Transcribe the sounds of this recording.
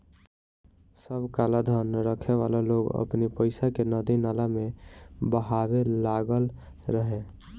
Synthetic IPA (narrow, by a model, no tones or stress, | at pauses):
səbkalad̪ʱənɾəkʰeʋa̰laloɡə̰pnipəɪsakenəd̪inalamebəɦabeːaɡəl | ɾəɦe